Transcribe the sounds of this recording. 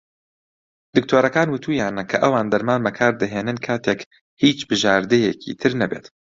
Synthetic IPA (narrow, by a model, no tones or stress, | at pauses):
d̪ɨk̚t̪ʰoːɾɐkaːnwɨt̪ʰuːjaːnɐkʰɐʔɐwaːnd̪ɐɾmaːnbɐkʰaːɾd̪ɐɦeːnɨnkʰaːt̪ʰeːk | hiːt͡ʃbɨʒaːɾd̪ɛjɛkʰḭːt̪ʰɨɾnɐbḛːt̪